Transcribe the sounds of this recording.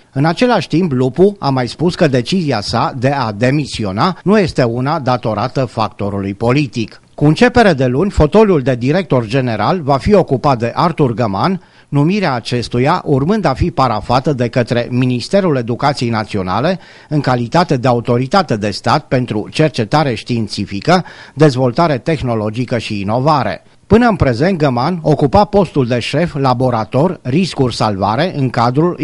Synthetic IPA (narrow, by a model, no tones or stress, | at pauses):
ɨnat͡ʃe̞laʃʲt̪implupua̰majspuskəd̪e̞t͡ʃiziasad̪e̞ad̪e̞misio̞nanuje̞st̪e̞unad̪at̪o̞ɾat̪əfakt̪o̞ɾulujpo̞lit̪ik | kuɨnt͡ʃe̞pe̞ɾe̞d̪e̞lunʲfo̞t̪o̞luld̪e̞d̪iɾe̞k̚t̪o̞rd͡ʒe̞ne̞ɾalvafio̞kupat̪̚d̪e̞ʔart̪urɡəmanː | umiɾeaːt͡ʃe̞st̪ujaʔurmɨnd̪afipaɾafat̪əd̪e̞kət̪ɾe̞minist̪e̞ɾule̞d̪ukat̪sije̞jnat̪sio̞na̰le̞ | ɨŋkalit̪at̪e̞d̪e̞aut̪o̞ɾit̪at̪e̞d̪e̞st̪at̪̚pe̞nt̪ɾut͡ʃe̞rt͡ʃe̞t̪aɾe̞ʃt̪int̪sifikəd̪e̞zvo̞lt̪aɾe̞t̪e̞xno̞lo̞d͡ʒikəʃiːno̞vaɾe̞̰ | pɨnəɨnpɾe̞ze̞nt̪̚ɡəmano̞kupapo̞st̪uld̪e̞ʃe̞flabo̞ɾat̪o̞rʲriskurʲsalva̰ɾe̞ʔɨŋkad̪ɾul